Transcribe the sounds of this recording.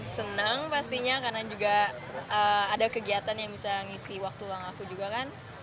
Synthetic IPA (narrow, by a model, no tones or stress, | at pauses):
sənəŋpast̪iɲakarnad͡ʒuɡa | əadakəɡiat̪anjaŋbisaŋisiwak̚t̪ulaŋakud͡ʒuɡakan